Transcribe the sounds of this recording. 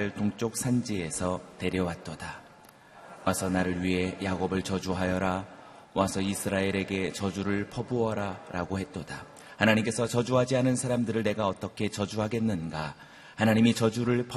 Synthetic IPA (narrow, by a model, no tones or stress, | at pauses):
ɯɭtoŋt͡ɕ͈ok̚sʰand͡ʑie̞sʰʌte̞ɾjʌwat͈̚ʌda | wʔasʰʌnaɾɯɭɥiɦe̞jaɡobɯɭt͡ɕʌd͡ʑuɦajʌɾa | wasʰʌisʰɯɾae̞ɾe̞ɡe̞t͡ɕʌd͡ʑuɾɯɭpʰʌboʌɾaɾaɡohe̞t͈̚ʌda̰ | hanaɲimk͈e̞sʰʌt͡ɕʌd͡ʑuɦad͡ʑianɯnsʰaɾamdɯɾɯɭne̞ɡaʌt͈ʌkʰe̞t͡ɕʌd͡ʑuɦaɡe̞nːɯnɡa | hanaɲimit͡ɕʌd͡ʑuɾɯɭpʰ